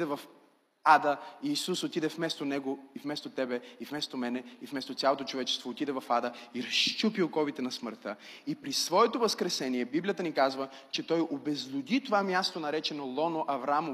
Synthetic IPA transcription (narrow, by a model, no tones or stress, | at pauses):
d̪ɛvɐf | ad̪əiːsusot̪id̪ɛfmɛst̪onɛɡoifmɛst̪ot̪ɛbɛifmɛst̪omɛnɛifmɛst̪ot̪sʲjalˠot̪ot͡ʃovɛt͡ʃɛ̥st̪voːt̪id̪ɛvɐfad̪əiɾɐʃt͡ʃupilˠkɔvit̪ɛnɐsməɾt̪əipɾisvɔɛt̪ovɐskɾɛsɛniɛbiblijət̪ənikazvə | t͡ʃɛt̪ɔjobɛzlʲʊd̪it̪ovamjast̪onɐɾɛt͡ʃɛnolˠɔnoʔɐvɾamo